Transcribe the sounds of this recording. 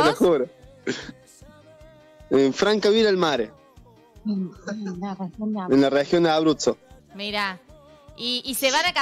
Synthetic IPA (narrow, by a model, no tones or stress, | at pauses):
exuɾo | eɱfɾaŋkaβiɾalmaɾe | enlarexjond̪eaβɾut͡so | miɾa | iːseβanaka